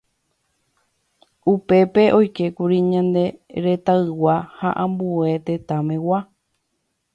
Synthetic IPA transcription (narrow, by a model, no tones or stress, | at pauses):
upe̞pe̞ʔo̞jke̞kuɾiɲãnd̪e̞ɾe̞t̪aɨwahaʔãmbue̞t̪e̞t̪ãmẽ̞wa